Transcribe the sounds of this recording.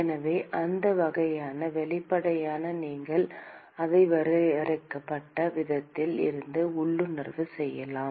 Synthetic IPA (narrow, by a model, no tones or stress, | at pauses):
ɛnɐʋeːʔɐnd̪ɐʋɐɣɐjaːnɐʋɛɭɪpːɐɽɐjaːnɐniːŋɡɐɭ | ɐðɐɪʋɐɾɯɐɾɐɪkːɐpːɐʈːɐʋɪðɐt̪ːɪlɪ̰ɾɯnd̪ɯʊɭːɯnɪrʋɯsɛjːɐlaːm